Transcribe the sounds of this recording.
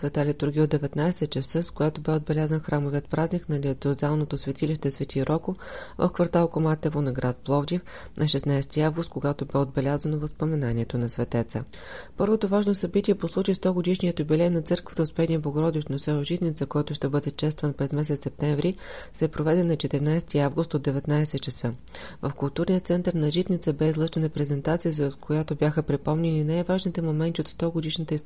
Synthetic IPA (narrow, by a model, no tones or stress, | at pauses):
svɛt̪alʲit̪uɾɡ̟ʲiod̪ɛvɛt̪najsɛt̪t͡ʃəsɤskoɡat̪obɛod̪̚bɛlʲazənxɾamoviət̪pɾaznʲiknɐlʲiot̪sɛozalˠnot̪osvɛt̪iliʃt̪ɛsvɛt̪ʲiɾʔɔkovɐ̰fkvɐɾt̪alˠkomat̪ɛvonɐɡɾʔat̪̚plˠɔvd̪ʲif | nʔɐʃɛsnajst̪iavɡʊst̪̚koɡat̪obɛod̪̚bɛlʲazənovəfspomɛnaniɛt̪onɐsvɛt̪ɛt̪sə̰ | pɤɾvot̪ovaʒnosɐbit̪ʲiɛposlˠut͡ʃist̪ɔɡod̪iʃnijət̪obilʲɛt̪nɐt̪sɤɾkvə̥t̪əotspɛd̪nijəboɡoɾɔd̪ɛʃt̪nosɛoʒit̪nit̪səkɔjt̪ʊʃt̪ɛbɤd̪ɛt͡ʃɛst̪vənpɾɛzmɛsɛt̪sɛp̚t̪ɛɱvɾisɛpɾovɛd̪ɛnɐt͡ʃɛt̪ɛɾinajst̪iavɡʊst̪od̪ɛvɛt̪najsɛt̪t͡ʃəsɤ | vəfkʊlˠt̪uɾnijət̪sɛnt̪əɾnɐʒit̪nʲit̪səbɛzlˠɤʃt͡ʃɛnəpɾɛzɛnt̪at̪sijəzt̪kʰojat̪objaxəpɾipɔmnɛninajvaʒnit̪ɛmomɛnt̪ʲiot̪st̪ɔɡod̪iʃnət̪əis